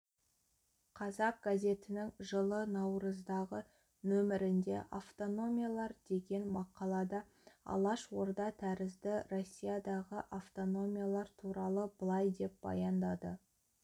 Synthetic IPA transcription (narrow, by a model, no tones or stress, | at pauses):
qʰɑzɑq̚ɡ̥azʲe̞t̪ɪnɪŋʒəlˠənɑwɾəzd̪ɑʁə | nɵmɪɾɪnd̪e̞̰ʔaft̪o̞no̞mʲijalˠɑɾd̪e̞ɡʲe̞nmɑqɑlˠɑd̪ɑ | ɑ̰lˠɑʃwo̞ɾd̪ɑt̪ʰæɾɪzd̪ɪɾo̞sʲːijad̪ɑʁəʔaft̪o̞no̞mʲijalˠɑɾt̪ʰuɾɑlˠəbəlˠɑjd̪e̞p̚bɑ̰jɑnd̪ɑd̪ə̰